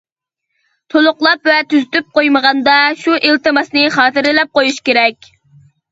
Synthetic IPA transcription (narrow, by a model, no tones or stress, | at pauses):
t̪ʰolˠʊqlˠɑpvɛt̪ʰyzyt̪yp̚qojməʁɑnd̪ɑʃuʔelt̪ɨmɑsnɨχɑːt̪ɨɾɪlɛp̚qojuʃkʲeɾɛkʲ